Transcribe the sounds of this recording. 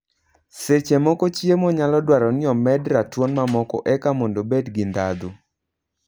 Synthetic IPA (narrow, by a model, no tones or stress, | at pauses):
set͡ʃemɔkɔt͡ʃjemɔɲalɔdwaɾɔnɪɔmɛdɾatwɔnmamɔkɔ̰ʔɛkamɔndobedɡɪnd̪ad̪u